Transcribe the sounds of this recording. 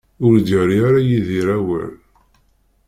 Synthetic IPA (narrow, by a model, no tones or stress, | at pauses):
ʊɾd̪əɾiaɾajiðiɾæwæ̰l